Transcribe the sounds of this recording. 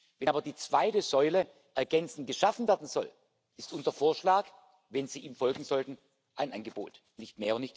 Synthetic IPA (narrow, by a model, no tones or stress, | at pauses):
vɛnʔːbɐdiːt͡sv̥aɪtəzɔʏlə | ʔɛɐɡɛnt͡sn̩ɡ̥əʃafn̩vɛɐdn̩z̥ɔl | ʔɪstʔʊnzɐfoːɐʃlaːk | vɛnziːiːmfɔlɡŋ̩z̥ɔltn̩ | ʔaɪnʔanɡəbo̰ːt | nɪçtmeːɐnɪçt